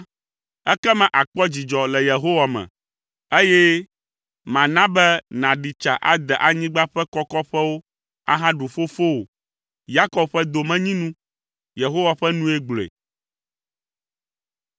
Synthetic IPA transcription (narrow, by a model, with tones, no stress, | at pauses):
ɛ˦kɛ˦mɛ̃˨ʔa˨k͡pɔ˦d͡ʑi˨d͡ʒɔ˨lɛ˨je˨ɦo˦wa˨mɛ̰̃˨ | e˦jɛ˦ | mã˨nã˦bɛ˦nã˨ɖi˨t͡ʃa̰˨ʔa̰˦d̪ɛ˨ʔa˨ɲĩ˦ɡ͡ba˦ɸɛ˦kɔ˦kɔ˦ɸɛ˦wo˦ | a̰˦ɦã˦ɖu˨fo˦fo˦wo˨ | ja˦kɔ˨˦bɸɛ˦d̪o˨mɛ̃˦ɲĩ˦nũ˦ | je˨ɦo˦wa˨ɸɛ˦nũ˦e˦ɡ͡blḛ˨